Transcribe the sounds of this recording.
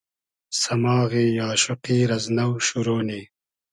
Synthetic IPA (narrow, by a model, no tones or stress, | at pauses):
sɐmɑːɣeːjaːʃʊqiːɾɐznɐwʃuɾoːni